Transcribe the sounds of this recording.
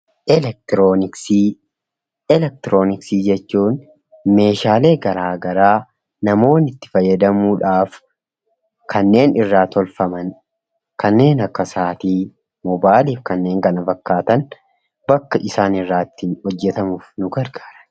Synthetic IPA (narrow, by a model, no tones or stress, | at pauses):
ʔɛlɛk̚t̪ɪɾoːnɪksiː | ɛlɛk̚t̪ɪɾo̞ːnɪksiːd͡ʒɛt͡ʃːuːn | me̞ːʃaːle̞ːɡɐɾaːɡɐɾaː | nɐmo̞ːnɪt̪ːɪ̥fɐjːɐd̪ɐmuːᶑaːf | kʰɐnːe̞ːnɪrːaːt̪ɔlfɐmɐn | kɐnːe̞ːnɐkːɐsaːt̪iː | mɔbaːliːfkɐnːe̞ːŋkɐnɐfɐkːaːt̪ɐn | bɐkːɐʔɪsaːnɪrːaːɪt̪ːɪnhɔd͡ʒːɛt̪ɐmʊfnʊɡɐɾɡaːɾɐ̥n